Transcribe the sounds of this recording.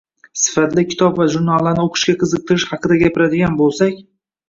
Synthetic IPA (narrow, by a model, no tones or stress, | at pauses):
sɪ̥fat̪lɪkʲʰɪ̥t̪ʰɒpvaʒʊɾnalˠanɪoqʰɨ̥ʃkʲaqʰɨzɨq̚t̪ʰɨɾɪʃhɑqʰɨd̪aɡʲapɪɾad̪ɪɡʲanbolˠsakʲ